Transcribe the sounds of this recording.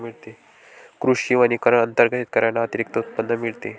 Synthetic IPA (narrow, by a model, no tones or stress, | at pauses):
miɭt̪e | kɾuʂiʋañikəɾəənt̪əɾɡʱət̪it̪̚kəɾjanaət̪iɾik̚t̪əut̪̚pənːəmiɭt̪e